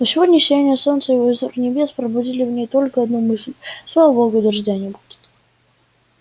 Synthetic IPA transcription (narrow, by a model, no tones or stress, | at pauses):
nosʲɪvo̞dʲnʲəʂʲɪjanʲjəso̞nt̪səjvoɪzurnʲɪbʲe̞spɾəbʊdʲilʲɪvnʲejt̪olʲkəɐd̪numɨsʲlʲslˠavəboɡʊd̪ʲɪrʐdʲanʲɪbudʲɪ̥t̪